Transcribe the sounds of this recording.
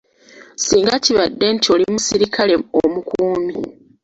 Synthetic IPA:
siːŋɡaciβadːe̞ntʰio̞limusiɾikʰale̞omukuːmi

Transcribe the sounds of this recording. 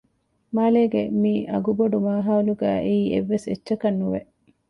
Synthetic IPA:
maːleːɡemiʔɐ̰ɡuboɖumaːɦaːuluɡæːʔeiːḛʋːeset͡ʃːʃɐkɐnːuʋeʔ

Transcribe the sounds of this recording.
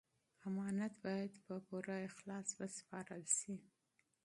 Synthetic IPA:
amɑnat̪bɑjad̪pəpoɾaɪxlɑswəspɑɾəlʃi

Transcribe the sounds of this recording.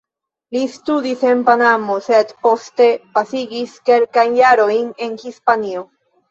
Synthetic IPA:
list̪udise̞npanamo̞sed̪po̞st̪e̞pasiɡiske̞lkajnjaɾo̞jne̞nhispanio̞

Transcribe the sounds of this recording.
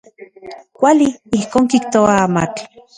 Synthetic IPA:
kʷaliihkoːŋkikt̪oaama̰t͡ɬ

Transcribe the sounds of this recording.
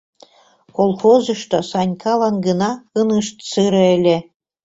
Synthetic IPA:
kolˠxozɤ̆ʃt̪osɑnʲkʰɑlˠɑnɡɤnɑɯnɯʃt̪sɯɾɤ̆ĕlʲĕ

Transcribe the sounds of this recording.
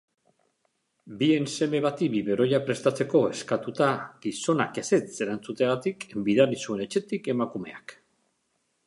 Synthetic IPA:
bie̞nse̞me̞βat̪ibiβe̞ɾo̞japɾe̞st̪at͡se̞ko̞e̞skat̪ut̪aɡiso̞na̰kese̞t͡se̞ɾant͡sut̪eɣat̪ikbiðaɾisue̞ne̞t͡ʃe̞t̪ike̞makume̞̰ak

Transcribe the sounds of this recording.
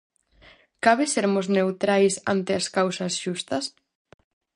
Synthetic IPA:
kaβɪseɾmʊznewt̪ɾajsant̪ɪɐskawsɐsʃust̪ɐs

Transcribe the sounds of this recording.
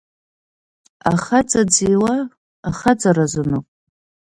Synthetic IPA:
a̰χad͡zʼad͡ziwaː | χad͡zarazɨnɨkʷʼ

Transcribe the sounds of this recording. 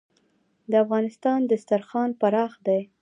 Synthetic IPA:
d̪əafɣɑnɪst̪ɑnd̪əst̪aɾxɑnpaɾɑxd̪aj

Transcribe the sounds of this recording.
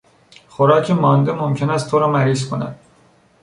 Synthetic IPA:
χoɾɒːcʰemɒːnd̪e̞mo̞mcʰe̞næst̪ʰoɾɒːmæɾiːzkʰo̞næ̰d̪̥

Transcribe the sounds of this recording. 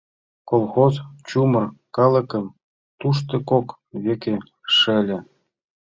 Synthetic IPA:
kolˠxozt͡ɕumɤ̆rkɑlˠɤ̆kɤ̆m | t̪uʃ̬t̪ɤ̆kok | βʲekʲĕ | ʂɘ̆lʲɘ̆

